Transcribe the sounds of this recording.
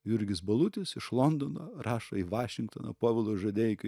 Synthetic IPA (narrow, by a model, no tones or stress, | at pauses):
jʊɾʲɡʲɪsbɐlˠʊt̪ʲɪsɪʃlˠond̪onoːrɑːʃɐ̰iːʋɑːʃʲɪŋk̚t̪o̰ːno̰poːʋʲɪlˠoːʒɐd̪ʲeːjɪkɐ